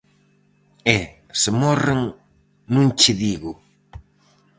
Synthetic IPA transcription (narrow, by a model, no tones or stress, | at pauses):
ɛ | sɪmɔrɪŋ | nũŋt͡ʃɪðiɣʊ